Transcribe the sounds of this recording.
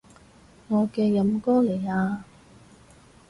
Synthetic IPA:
ŋɔː˨˧kɛː˧jɐ˨˧mkɔː˥le˨˩jaː˧

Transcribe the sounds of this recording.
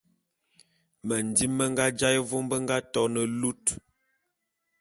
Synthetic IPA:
mə˨n˨di˦mːə˦ŋ˦ɡa˦d͡ʒa˦jvo˦mbə˦ŋ˦ɡa˦tɔ˦nə˨lu˦t

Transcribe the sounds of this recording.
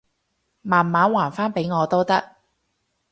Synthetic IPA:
maː˨˩nmaː˨˥nwaː˨˩nfaː˥npe˨˥jŋɔː˨˧t̪o˥wt̪ɐ˥k̚

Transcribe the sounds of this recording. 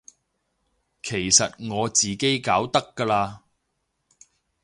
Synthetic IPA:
kʰe˨˩jsɐ˨t̚ŋɔː˨˧t͡siː˨ke˥jkaː˨˥wt̪ɐ˥kːɐː˧laː˧

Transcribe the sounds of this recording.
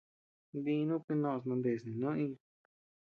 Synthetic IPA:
βi˧˦˧nũ˦kɨ˧nõ˧s̬nã˧nd̪e˧˨snĩ˨nõ˦ʔĩ˧

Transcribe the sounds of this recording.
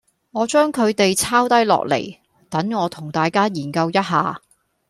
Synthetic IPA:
ŋɔː˨˧t͡ʃœː˥ŋkʰɵ˨˧ɥt̪e˨jt͡sʰaː˥wt̪ɐ˥jlɔ̰ː˨k̚lḛ˨˩j | t̪ɐ˨˥ŋŋɔː˨˧t̪ʰʊ˨˩ŋt̪aː˨jkaː˥jiː˨˩nkɐ˧wjɐ˥t̚ɦa̰ː˨˧

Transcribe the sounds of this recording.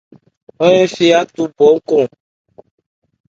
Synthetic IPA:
ɔ˦ɛ̃˦fi˦a˦t̪u˦bɔ˨˦ŋ̩˦kɔ̃˦˨

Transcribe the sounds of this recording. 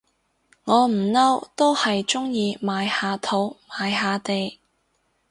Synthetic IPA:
ŋɔː˨˧m̩˨˩nɐ˥wt̪o˥whɐ˨jt͡sʊ˥ŋjiː˧maː˨˧jhaː˨˧t̪ʰo˨˥wmaː˨˧jɦaː˧t̪e˨j

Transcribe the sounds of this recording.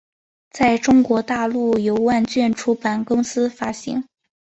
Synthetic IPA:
t͡sa˥˩ɪʈ͡ʂʊ˥ŋkwɔ˧˥t̪a˥˧lu˥˩jo˧˥ʊwa˥˧nt͡ɕɥɛ˥˩nʈ͡ʂʰu˥pa˨˩nkʊ˥ŋsɹ̩˥fa˥ɕḭ˧˥ŋ

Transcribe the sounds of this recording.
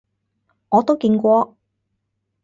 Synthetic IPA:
ŋɔː˨˧t̪o˥wkiː˧nkʷɔː˧

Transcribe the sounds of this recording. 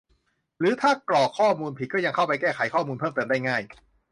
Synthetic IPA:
ɾɯː˨˦t̪ʰaː˥˩klɔː˨˩kʰːɔː˥˩muː˧npʰi˨˩kɔː˥˩ja˧ŋkʰa˥˩wpa˧jkɛː˥˩kʰa˨˩˦jkʰɔː˥˩muː˧npʰɤː˥˩mt̪ɤː˧mdaː˥˩jŋaː˥˩j

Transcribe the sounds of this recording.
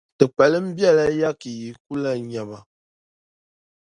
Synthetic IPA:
tə˨k͡pɛ˨lə˦m̩˦bja˦˨la˦ja˦ki˨ji˨ku˦la˦ɲa˨ma˨

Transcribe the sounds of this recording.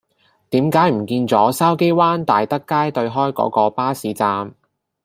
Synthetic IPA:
t̪iː˨˥mkaː˨˥jm̩˨˩kiː˧nt͡sɔː˨˥saː˥wke˥jwaː˥nt̪aː˨jt̪ɐ˥kːaː˥jt̪ɵ˧ɥɦɔː˥jkɔ̰ː˨˥kɔː˧paː˥siː˨˥t͡saː˧m

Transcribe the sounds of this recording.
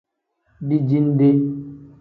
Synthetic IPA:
bi˦d͡ʒi˦n˦de˦

